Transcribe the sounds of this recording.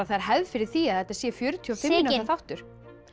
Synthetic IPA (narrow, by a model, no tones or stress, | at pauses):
aðθajɾ̥ɦɛvðfɪɾɪɾ̥θiːaðθɛjt̪asɛfjœːɾʏt̪ʰiɔfɪmːɪnaafawht̪ʏɾ̥